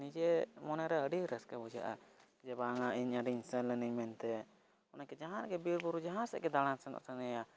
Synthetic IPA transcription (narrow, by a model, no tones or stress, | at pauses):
nid͡ʒɛmɔnɛɾɛəɖiɾɛskɛbud͡ʒa̰ʔa | d͡ʒɛbaŋaʔiɲaɖiɲsɛnləniɲmɛnt̪ɛ | ɔnakɛd͡ʒaɦãɾɛkɛbiɾbuɾud͡ʒaɦãsɛ̰ʔkɛd̪aɽ̃ansɛnɔ̰sɛnɛja